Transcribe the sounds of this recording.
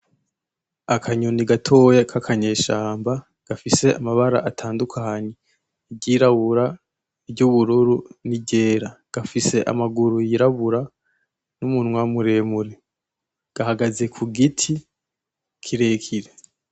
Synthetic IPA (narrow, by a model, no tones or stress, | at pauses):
akʰaɲoniɡatʰo̞ːjekʰakʰaɲe̞ːʃaːmba | ɡ̥afise̞amaβaɾa̰ʔatʰaːndukʰaɲe | ibɟiːɾaβuɾa | iɾɟuβuɾuɾuniɟe̞ːɾaɡ̥afise̞ʔa̰maɡuɾujiɾaβuɾa | numunwamuɾe̞ːmuɾe | ɡ̥ahaɡaze̞kʰuɡitʰi | kʰiɾekʰiɾe